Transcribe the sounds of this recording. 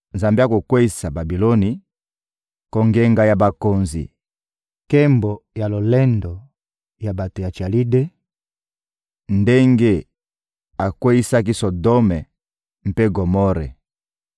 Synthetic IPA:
nza˨mbi˦a˦ko˨kwe˦i˦sa˨ba˨bi˨lɔ˦ni˨ | kɔ˦ŋɡe˦ŋɡa˦ja˨ba˨ko˨nzḭ˨ | kɛ˦mbɔ˨ja˨lo˨lɛ˦ndɔ˨ | ja˨ba˨to˨ja˨t͡ʃi˨a˨li˦de˦ | nde˦ŋɡe˦ | a˨kwe˦i˦sa˦ki˦sɔ˨dɔ˦mɛ˨ | m̩˦pe˦ɡo˨mɔ˦ɾɛ˨

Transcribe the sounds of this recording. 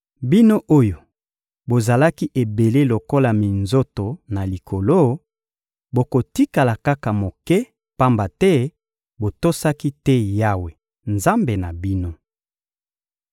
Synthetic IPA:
bi˦no˦ʔo˦jo˨ | bo˨za˨la˦ki˦ʔe˨be˨le˦lo˨ko˦la˨mi˨nzo˦to˨na˨li˨kʰo˨lo˦ | bo˨ko˨ti˦ka˨la˨ka˦ka˨mo˨kɛ˦ | pa˦mba˨tɛ˦ | bo˨to˦sa˦ki˦tɛ˦ja˦we˨ | nza˦mbe˨na˨bi˦no˦

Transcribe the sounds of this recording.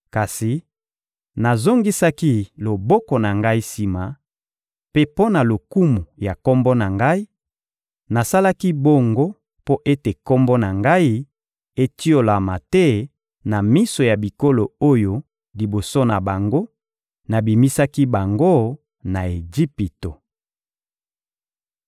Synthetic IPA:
ka˨si˨ | na˨zo˦ŋɡi˦sa˦ki˦lo˨bɔ˦kɔ˨na˨ŋɡa˦i˦si˨ma˨ | pe˦po˦na˨lo˨ku˦mu˨ja˨ko˦mbo˦na˨ŋɡa˦i˦ | na˨sa˦la˦ki˦bo˦ŋɡo˦ | po˦ʔe˦te˨ko˦mbo˦na˨ŋɡa˦i˦ | e˦ti˦o˦la˨ma˨tɛ˦ | na˨mi˦so˨ja˨bi˨ko˦lo˨o˦jo˨ | li˨bo˨so˦na˨ba˨ŋɡo˦ | na˨bi˨mi˦sa˦ki˦ba˨ŋɡo˦ | na˨e˨d͡ʒi˦pi˨to˨

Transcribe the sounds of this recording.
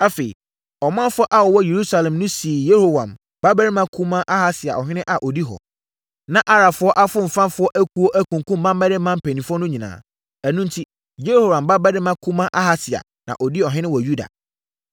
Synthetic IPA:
a˦fe˨ḭ˨ | ɔ˨mã˦fʊ˦ɔ˦ʔa˦wɔ˨wɔ˦je˨ɾu˦sa˨lɛ̃˨mnʊ̃˦si˨e˨je˦ho˨wã˨m | ba˦bæ˦ɾɪ˦mã˦kʰu˦mã˦ʔa˦ha˦sɪ˨a̰˨ɔ˨ɦɪ̃˦nɪ̃˦ʔa˨ʔɔ˨di˦ɦɔ̰˨ | nã˦ʔa˦ɾa˨fʊ˦ɔ˦ʔa˦fʊ˦m̩˨fã˦mfʊ˦ɔ˦ʔæ˦kʰu˦o˦ʔæ˦kũ˨ŋ˨kũ˦mː˦ã˦mː˦ɛ˦dɪ˦mã˦m̩˨pʰæ˨nĩ˨fʊ˦ɔ˦nʊ̃˦ɲĩ˨nã̰ː˨ | æ˨nũ˦n˦tʰi˦ | je˦ho˨wã˨mba˦bæ˦dɪ˦mã˦kʰu˦mã˦ʔa˦ɦa˦sɪ˨a̰˨ | nã̰˨ʔɔ˨di˦ɔ˨ɦɪ̃˦nɪ̃˦wɔ˨ju˦da̰˨

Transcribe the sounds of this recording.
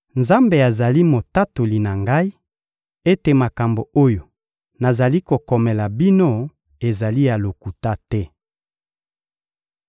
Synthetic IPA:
nza˦mbe˨a˨za˨li˦mo˨ta˦to˨li˨na˨ŋɡa˦i˦ | e˦te˨ma˨ka˨mbo˨o˦jo˨ | na˨za˨li˦ko˨kɔ˨mɛ˨la˨bi˦no˦ | e˨za˨li˦ja˨lo˨ku˨ta˦tɛ˦

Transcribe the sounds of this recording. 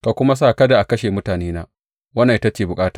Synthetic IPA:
ka˨kʷʊ˦ma˦s̬aː˦˨kɐ˦da˨ʔa˨kɐ˦ʃeː˨mʊ˦taː˨neː˦naː˦ | wɐ˦na˨ʔɪ˦ta˦t͡ʃeː˨bʊ˨kʼaː˦tḁː˨

